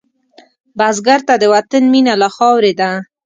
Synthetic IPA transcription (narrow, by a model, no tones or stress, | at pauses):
bazɡaɾt̪ad̪əwat̪anminalaxɑwɾed̪a